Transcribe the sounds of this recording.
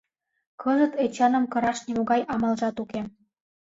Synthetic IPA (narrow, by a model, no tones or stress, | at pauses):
kʰɤʒə̆t̪et͡ɕɑnə̆mkɤ̆ɾɑʃnʲemoɣɑjɑmɑlʒɑt̪uke